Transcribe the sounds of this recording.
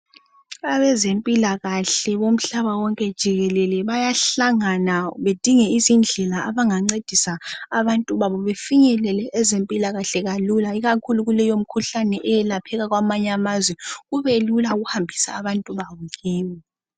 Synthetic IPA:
aβɛzempʼilaɣaɬɛβom̩ɬaβawɔŋkʼɛd̥ʒ̥ʱiɣɛlɛlɛβajaɬaŋanaβed̥ʱiŋɛizind͡ɮʱɛlaaβaŋaŋ͡ǀed̥ʱisaːβantʼuβaβɔβefiɲɛlɛlɛʔɛzempʼilaɣaɬɛɣalulaiɣakʰuluɣulɛjom̩kʰuɬanɛʔɛjɛlapʰɛɣaɣwamaɲamazwɛɣuβelulauɣuhambʱisa̰ːβantʼuβaβɔɣiːmi

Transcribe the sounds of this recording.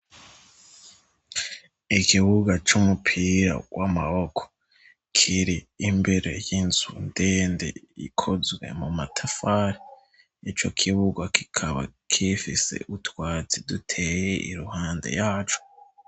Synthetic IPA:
ikʰiβuɡat͡ʃumupʰiːɾa̰wʔamaho̞kʰo̥ | kʰiɾiːmbeɾe̞jinz̥undeːndḛḭkʰozɡwe̞̰mumatʰafaːɾi | it͡ʃo̞kʰiβuɡwaki̥kʰaβa̰kʰifise̞̰ʔutwaːt͡sidutʰe̞ːje̞ʔḭɾuhaːnde̞̰jaːt͡ʃo̥

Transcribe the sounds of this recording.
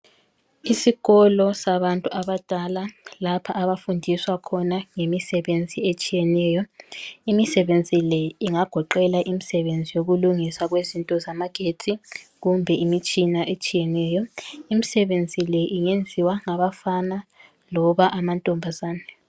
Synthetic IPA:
isiɣɔlɔsaβantʼuʔaβad̥ʱalalapʰaʔːβafundʱiswakʰɔnaŋemisɛβend͡zʱiet͡ʃʼijɛnɛːjɔimisɛβend͡zʱilɛiŋaɡ̥ʱɔǃɛlaʔimisɛβend͡zʱijoɣuluŋisaɣwezintʼɔzamaɡ̥ʱetʰiɣumbʱɛimit͡ʃʼinaʔet͡ʃʼijɛnɛːjɔimisɛβend͡zʱilɛʔiŋend͡zʱiwaŋaβafana | lɔβaʔamantʼɔmbʱazaːnɛ

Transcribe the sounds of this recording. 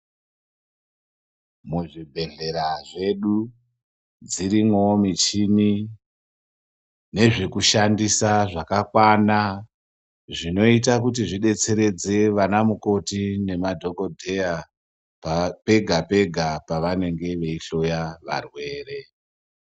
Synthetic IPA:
muʐibʱe̞ɮe̞ɾaʐe̞ɗu | d͡ziɾimwo̞mit͡ʃini | ne̞ʐikuʃandisaʐakakwana | ʐino̞it̬akutiʐiɗe̞t͡se̞ɾe̞d͡ze̞ʋanamuko̞tine̞madʱo̞ɡo̞dʱe̞ja | pe̞ɡʱape̞ɡʱapaʋane̞ŋɡe̞ʋe̞iɬo̞jaʋa̰rwe̞ːre̞

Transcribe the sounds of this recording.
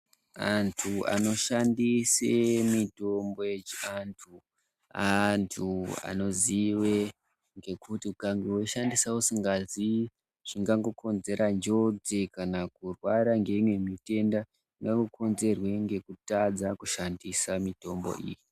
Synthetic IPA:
antʰua̰no̞ʃandisemito̞mbo̞jet͡ʃiantʰu | antʰua̰no̞ziwe | ŋɡe̞kutiukaŋɡewoʃandisaosiŋɡazi | ʐ̥iŋɡaŋɡo̞ko̞nze̞ɾʔand͡ʒo̞d͡zekanakurwaɾaŋɡe̞imwe̞mite̞nda | ʐiŋɡaŋɡoko̞nze̞rwe̞ŋɡe̞kutad͡zakuʃandisamito̞mbo̰ḭːji

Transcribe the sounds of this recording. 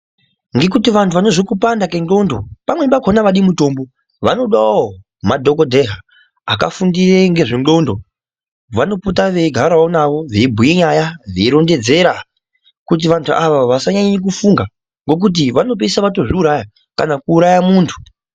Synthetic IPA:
ŋɡe̞k̬utiʋantʰuʋano̞ʐokupandakendo̞ndo̞̰pamwe̞bakonaʋaɗimuto̞ːmbo̞ | ʋano̞ɗao | madʱo̞kodʱe̞ɦa | aka̰fundireŋɡe̞ʐinɡo̞ndo̞ | ʋano̞putaʋeɡʱaɾaonaʋo̞ʋeibʱujiɲajaʐiiɾo̞nde̞d͡ze̞ɾa | kut̬iʋantʰuʔaʋaʋasaɲaɲik̬ufuŋɡa | ŋɡo̞k̬ut̬iʋano̞p̬esaʋato̞ʐiuɾaja | kanakuːɾajamuːntʰu̥

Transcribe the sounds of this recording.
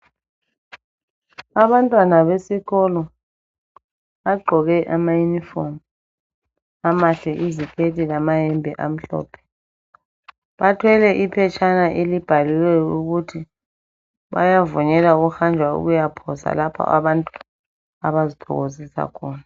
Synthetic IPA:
aβantʼwanaβesiɣɔlɔ | aɡ͡ǃʱɔɣɛʔamajunifɔm | amaɬɛʔizikʰʼetʼilamajɛmbʱɛʔam̩ɬɔ̰ːpʰɛ̥ | ɓatʰwɛlɛʔipʰɛt͡ʃʰanaʔelib̥ʱaliwɛuɣ̬utʰi | βa̰javuɲɛlauɣuxand͡ʒʱwaṵɣujapʰɔsa̰lapʰɔ̰ʔa̰βantʼu | aβazid̥ʰʱɔ̰ɣozisa̰kʰɔːna

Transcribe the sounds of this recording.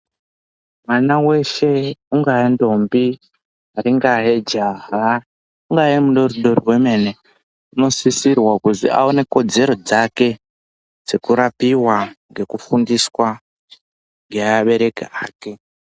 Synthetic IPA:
mwanawe̞ʃe̞uŋɡaendo̞mbi | aɾiŋɡaɦed͡ʒaɦa | uŋɡaemuɗoriɗo̞riwe̞me̞ne | uno̞sisirwakuzḭa̰one̞ko̞d͡ze̞ɾo̞d͡zake̞ | d͡ze̞kuɾapiwaŋɡe̞kufundiswa | ŋɡe̞aaɓe̞ɾe̞kaaːke̞

